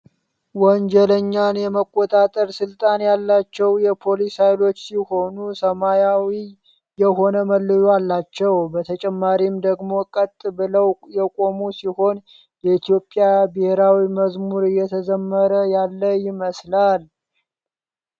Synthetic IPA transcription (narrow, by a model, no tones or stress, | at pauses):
wɔnd͡ʒɛləɲːanjɛməkʼːo̞t̪ʼat̪ʼəɾsɨlt̪ʼanjalːat͡ʃːɛwjɛpʰo̞lishajlo̞t͡ʃːsiho̞nusəmajawi | jɛho̞nəməlːɨjalːat͡ʃːɛwbət̪ʰət͡ʃʼɛmːaɾimd̪əɡmo̞kʼət̪ʼːɨbɨləwjɛkʼo̞musiho̞n | jɛit̪ʰijo̞pʼːjabɨheɾawiməzmuɾɨjːɛt̪ʰəzəmːəɾəjalːəjɪməslal